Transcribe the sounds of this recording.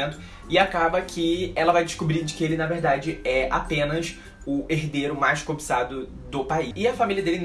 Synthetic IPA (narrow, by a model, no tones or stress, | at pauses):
ẽnt̪ʊ̥ | ɪakabɐkʰɪɛlɐvajd͡ʒɪʃkubɾĩd͡ʒɪkɪelɪnɐveɾd̪ad͡ʒɪɛa̰pẽnɐs | ʊeɦd̪eɾʊmajskobisad̪ʊ | d̪ʊpaiɪɐfamiliɐd̪elɪn